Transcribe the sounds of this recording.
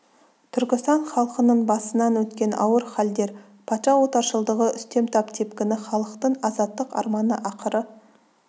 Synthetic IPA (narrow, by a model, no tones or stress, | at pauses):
t̪ʰʏɾkʲɪst̪ɑɴχɑlˠqənəɴbɑsənɑnwɵt̪kʲe̞nɑ̰wəɾχɑld̪e̞ɾ | pʰɑt̪ʃɑwo̞t̪ɑɾʃəlˠd̪əʁəʔʏst̪e̞mt̪ʰɑpt̪ʰe̞pkʲɪnɪχɑlˠəqt̪əɴɑzɑt̪ːəqɑ̰ɾmɑnəʔɑqʰəɾə